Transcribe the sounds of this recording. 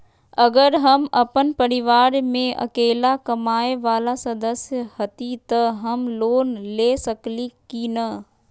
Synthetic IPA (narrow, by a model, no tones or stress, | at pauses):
ɐɡəɾɦɐmɐpənpəɾɪʋaːɾmẽɐ̰keːlakɐmaːeʋaːlasɐd̪əsjəhɐt̪it̪əɦɐmloːnleːsɐklikinɐ